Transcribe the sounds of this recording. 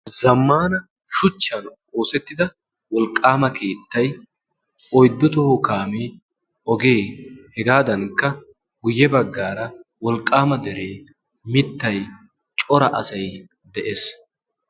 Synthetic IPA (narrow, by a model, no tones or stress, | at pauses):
zɐmːaːnɐ | ʃʊt͡ʃːɐn | oːsɛt̪ːɪd̪ɐ | wɔlkʼːaːmɐkeːt̪ːɐj | ɔjd̪ːʊt̪ɔhʊkaːmeː | ɔɡeːhɛɡaːd̪ɐnkːɐ | ɡʊjːɛbɐɡːaːɾɐwɔlkʼːaːmɐd̪ɛɾeː | mɪt̪ːɐj | t͡ʃʼɔɾɐʔɐsɐj | d̪ɛʔeːs